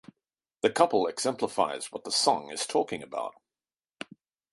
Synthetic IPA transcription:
ðɨkʰʌpəl̩ˠɪɡz̥ɛ̃mpləfaɪz̥wʌt̪̚ðəsɒ̃ŋɪ̰z̥tʰɔˑkɪ̃ŋɨba̰ʊt̚

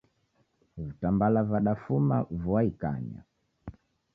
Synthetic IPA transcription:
vutambalavaɗafuma̰vuaika̰ɲa̰

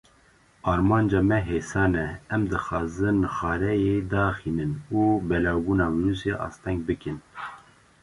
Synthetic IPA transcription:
ɑːɾmɑːnd͡ʒɑːmɛɦeːsɑːnɛɛmd̪ɨxɑːzɨnxɑːɾɛjed̪ɑːxiːnɨnubɛlɑːwbuːnɑːmiɾuːseʔɑ̰ːst̪ʰɛŋɡ̚bɨkɨn

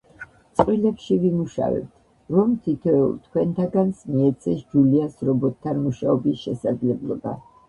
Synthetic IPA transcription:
t̪sʼqʼwilɛpʃivimuʃa̰vɛ̰b̚t̪ʰ | ɾɔmt̪ʰit̪ʰɛṵlt̪ʰkʰwɛnt̪ʰaɡansmiɛt̪sʰɛsd͡ʒuliasɾɔbɔt̪ʰːanmuʃaɔbisʃɛsad̪zlɛblˠɔba̰

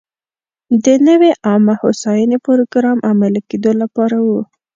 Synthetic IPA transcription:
d̪ənəweʔɑmahosɑjənepoɾoɡɾɑmʔamalked̪olapɑɾawu

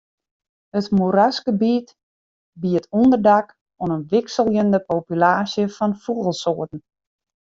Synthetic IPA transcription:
hətmuɾasɡəbit | biətʰundərdak | onənʋɪksəlˠjəndəpowpylaːsjəfɔnfuɣəlˠsoːtn̩

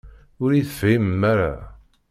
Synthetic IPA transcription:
ʊɾiθəfimmːaɾa̰

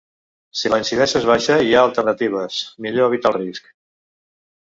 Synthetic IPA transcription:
siləinsiðɛsezβ̞aʃəiaəlˠt̪əɾnət̪iβ̞əsmiʎoəβit̪alˠrisk

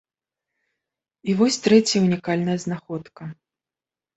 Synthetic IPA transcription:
ivɔsʲt̪ɾɛt͡sʲjɐunʲikalʲnɐjɐznaxɔt̪kɐ

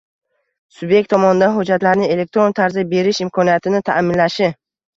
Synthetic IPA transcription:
sʊbje̞k̚ʲt̪ʰːɒmɒnɪd̪anɦʊd͡ʒːat̪laɾnɪe̞le̞k̚t̪ɾo̞nt̪ʰaɾzibe̞ɾɪʃɪmkʰɒnijat̪ʰɪnɪt̪ʰamɪnlaʃɪ

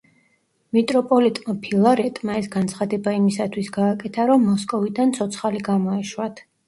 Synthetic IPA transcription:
mit̪ʼɾɔpʼɔlit̪ʼmapʰilˠaɾɛt̪ʼmaɛsɡant̪sʰχad̪ɛbaimisat̪ʰwisɡaːkʼɛt̪ʰaɾɔmːɔskʼɔvid̪ant̪sʰɔt̪sʰχaliɡamɔɛʃwat̪ʰ

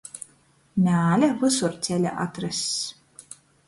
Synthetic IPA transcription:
nʲæːlʲɛvɨsuɾt̪sʲɛlʲɛ̰ʔa̰t̪ɾɨsʲ

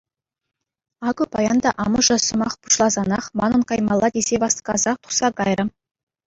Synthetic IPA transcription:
ɑɡɤpɑjɑnd̪ɑʔɑmɤ̆ʐɤ̆sɤ̆mɑχpu̥ʃlˠɑzɑnɑχmɑnɤ̆nkɑjmɑlˠːɑd̪ʲez̥ʲeʋɑst̪kɑzɑχt̪u̥χsɑkɑjrɤ̆

